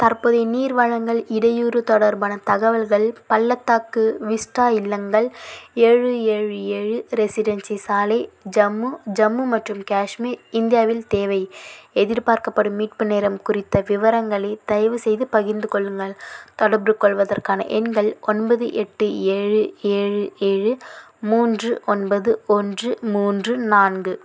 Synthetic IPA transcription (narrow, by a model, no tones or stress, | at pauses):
t̪ɐrpoːðeniːɾʋɐɻɐŋɡɐɭɪɽɐjuːɾɯt̪ɔɽɐɾbɐːnɐt̪ɐɣɐʋɐlɣɐɭpɐlːɐt̪ːaːkːɯʋɪsʈaːjɪlːɐŋɡɐɭeːɻɯeːɻɯeːɻɯɾɛsɪɽɐnsisaːlɐd͡ʒɐmːud͡ʒɐmːumɐʈrɯmkaːʂmiɪnd̪ɪjaːʋɪlt̪eːʋɐɪɛðɪɾpaːɾkɐpːɐɽɯmːiːʈ̚pɯneːɾɐmkʊrɪt̪ːɐʋɪʋɐɾɐŋɡɐɭɐɪt̪ɐjʋɯsɛjðɯpɐɣɪnd̪ɯkɔɭːɯŋɡɐɭt̪ɐɽɐbɾɯkɔɭʋɐðɐrkaːnɐ̰ʔɛnɡɐɭɔnbɐðɯʔɛʈːɯeːɻɯeːɻɯeːɻɯ | muːndrɯʔɔnbɐðɯɔndrɯmuːndrɯnaːnɡɯ